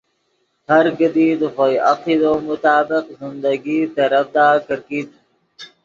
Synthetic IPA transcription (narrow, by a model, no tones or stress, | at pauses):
hɐɾɡəd̪iːd̪xojɐqiːd̪oːmʊt̪aːbɪqzɪnd̪əɡiːt̪əɾəfd̪aːkəɾkiːd̪